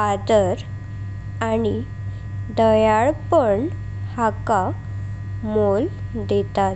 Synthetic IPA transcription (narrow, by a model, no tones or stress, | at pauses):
ad̪əɾ | ani | d̪əjaɭpəɳ | haka | mol | d̪et̪at̪